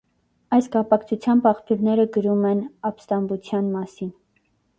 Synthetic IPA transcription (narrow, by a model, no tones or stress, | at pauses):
ɑjskɑpɑkt͡sʰut͡sʰjɑmbɑχpʰjuɾnɛɾəɡəɾumɛnɑpst̪ɑmbut͡sʰjɑnmɑsin